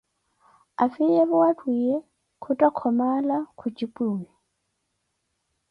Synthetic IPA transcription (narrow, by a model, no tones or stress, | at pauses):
afijɛβuatʼwijɛ | kʰutʼakʰɔmalakʰut͡ʃʼipʼuːwɛ